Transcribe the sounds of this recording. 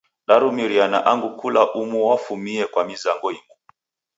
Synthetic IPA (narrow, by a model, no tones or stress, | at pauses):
ɗaɾumiɾianaʔaŋɡukulaʔumuwafumiɛkwamizaŋɡɔimu